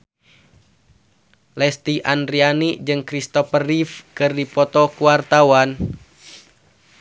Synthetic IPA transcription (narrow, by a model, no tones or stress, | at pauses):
lɛst̪iʔandɾianid͡ʒɨŋkɾist̪ɔfərifkɨrdipɔt̪ɔkuwart̪awan